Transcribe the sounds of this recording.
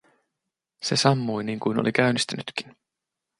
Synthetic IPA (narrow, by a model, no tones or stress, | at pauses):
se̞sɑmːujniːŋkujnolikæynist̪ænyt̪kin